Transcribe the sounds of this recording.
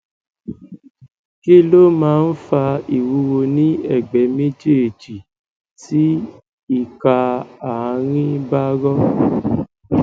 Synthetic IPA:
ki˦lo˦mãː˦˧n̩˦fa˧i˨wu˨˧˦wo˧nĩ˦ɛ˦˨ɡ͡bɛ˨˦me˦d͡ʒe˦e˨d͡ʒi˨ | ti˦ | i˦˨ka˧a˨a˨˧ɾ̃ĩ˦ba˦ɡɔ˦

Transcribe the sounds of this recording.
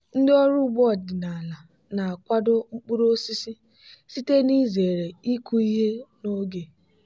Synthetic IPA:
n̩˦dɪ˦ɔ˦ɾu˦ɡ͡bɔ˦˨dɪ˨na˨a˨la˨ | na˨a˨kʷa˦dʊ˦ŋ͡m̩˦k͡pu˦ɾo˦si˦si˦ | si˦te˦ni˦ze˨ɾe˨i˦ku˦i˦ɦe˦no˦ɡe˨

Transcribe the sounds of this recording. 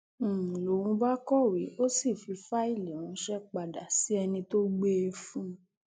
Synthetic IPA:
lo˨wũ˧ba˦kɔ˦˨wi˨˦o˦si˦˨fi˧fa˦i˦˨lɛ̃˨ũ˨˧˦ʃɛ˦k͡pa˨da˨si˨˦ɛ˧nĩ˧to˦ɡ͡be˦i˧fũ˦

